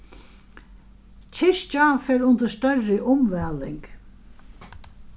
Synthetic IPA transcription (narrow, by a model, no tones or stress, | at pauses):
t͡ʃʰɪʂt͡ʃafɛːɾʊnt̪əst̪œrːɪʔʊmʋæːlɪŋk